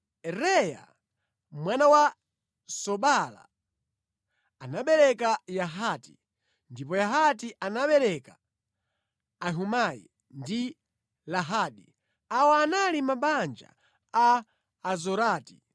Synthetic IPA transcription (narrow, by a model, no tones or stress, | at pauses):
ɛɾɛja̰ | mwanawa | sɔɓala̰ | naɓɛɾɛkajaɦati̥ | ndipɔjaɦatiʔanaɓɛɾɛka | ɦumajḭ | ndi | laɦaːɗi | awɔanalimaɓand͡ʒa̰ | aː | zɔɾaːti̥